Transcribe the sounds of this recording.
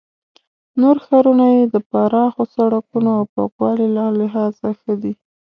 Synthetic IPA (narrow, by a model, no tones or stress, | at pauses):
noɾxɑɾunajed̪əpaɾɑxosaɽakunoawpa̰kwɑlilɑlɪɦɑzaxəd̪i